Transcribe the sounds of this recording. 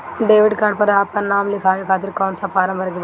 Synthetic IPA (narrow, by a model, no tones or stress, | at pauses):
ɖeːʋɪɖkɐɳ̚pɐɾaɐpːɐnːaːmlikʰaːʋikʰaːt̪̬ɪɾkɐːnsaːpaːɾɐmʋɐɾɡib